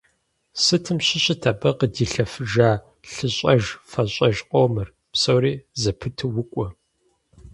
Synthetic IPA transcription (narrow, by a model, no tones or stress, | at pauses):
sɨtʰɨmɕɪɕʼɪtʰɐbɐqədiːɬɐfɨʒaː | ɬɨɕʼɐʒfɐɕʼɐʒqʷʼoːmɨr | psɐwɾiːzɐpʰɨtʰɨwʊkʷʼɔ